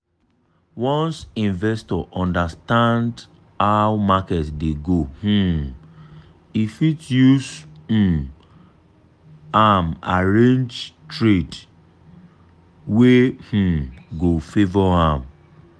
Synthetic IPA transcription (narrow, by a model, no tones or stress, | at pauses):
wɔ̃nsĩnvɛstɔʔɔ̃ndastãnd | hawmakɛtdeɡoh̩ | ifitjush̩ | ama̰ɹẽnd͡ʒtɹet | weh̩ɡofevɔãm